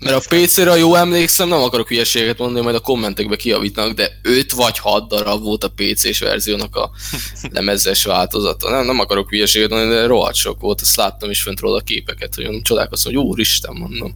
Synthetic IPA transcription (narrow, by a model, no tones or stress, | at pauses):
mɛɾɒpeːt̪seːɾɛjoːlɛmleːksɛmnɛmɒkɒɾo̞kyjɛʃeːɡɛkɛt̪mond̪ɒnimɒjd̪ɒko̞mːɛnt̪ɛɡbɛkijɒviːt̪ɒnɒɡd̪ɛøt̪ʋɒchɒd̪ːɒɾɒvo̞lt̪ɒpeːt̪sḛːʃʋɛ̰rzijoːnɒkɒ̰lʔɛ̰mɛzɛʃʋaːlt̪o̞zɒt̪ɒ̰nɛmnɛmɒkɒɾo̞kyjɛʃeːɡɛt̪monnid̪ɛɾo̞ɦɒ̰t͡ʃo̰kʋo̞lt̪ɛ̥st̪laːt̪ːɒmeʃfønt̪ro̰ːlːɒkḛːpɛkɛt̪hoɟønt͡ʃo̞d̪a̰ːko̞st̪omoɟuːɾiʃt̪ɛmːo̞nd̪o̞̰m